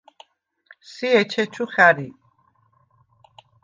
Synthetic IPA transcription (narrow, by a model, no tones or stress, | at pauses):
siɛt͡ʃʰɛt͡ʃʰuχaɾi